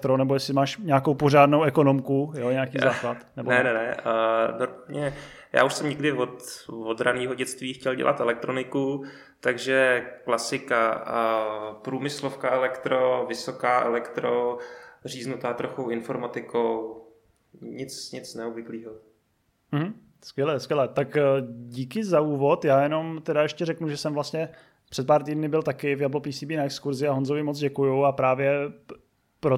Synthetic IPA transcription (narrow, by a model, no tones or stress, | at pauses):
t̪ɾonɛbo̞jɛsɪmaːʃɲaːko̞wpoʒaːdnowʔɛko̞no̞mkujoɲaːkiːzaːklat̪nɛbbnɛnɛnɛdopɲɛ | ja̰ːuʃsɛmɲɛɡdɪvot̪vod̪ɾaniːɦoɟɛt͡st̪viːxcɛlɟɛ̰lʔa̰t̪ɛlɛk̚t̪ɾonɪku | t̪aɡʒɛklasɪka | pɾuːmɪslofkaːɛlɛkt̪ɾovɪsokaːʔɛ̰lɛkt̪ɾor̝iːznut̪aːt̪ɾoxowɪnfoɾmat̪ɪkow | ɲɪt͡sɲɪt͡snɛobvɪkliːɦo | m̩ɦm̩ | skʋjɛlɛːskʋjɛlɛːt̪akɟiːkɪzauːvo̞t̪jaːjɛno̞mt̪ɛdaɛʃcɛɾɛknuʒɛsɛmvlast̪ɲɛ | pr̝̥ɛt̪̚paːɾt̪iːdnɪbɪlt̪akɪvjablopiːsiːbiːnaɛkskuɾzɪaɦonzovɪmot͡sɟɛkujuapɾaːvjɛ | pɾo